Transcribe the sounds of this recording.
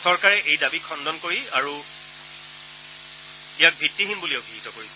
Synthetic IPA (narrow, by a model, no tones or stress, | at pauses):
sɔɹkaɹɛʔejdabikʰɔndɔnkoɹiaɹu | ijak̚bʱitːiɦinbulioʊbʱiɦitɔkoɹisɛ